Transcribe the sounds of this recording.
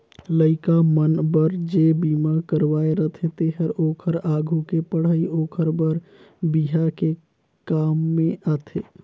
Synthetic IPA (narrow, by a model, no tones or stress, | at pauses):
ləɪkamənbəɾd͡ʒebiːmakəɾwaːeɾət̪ʰẽt̪eɦəɾoːkʰəɾaːɡʱukepəɽ̤aioːkʰəɾbəɾ | biɦake | kaːmːẽʔat̪ʰeː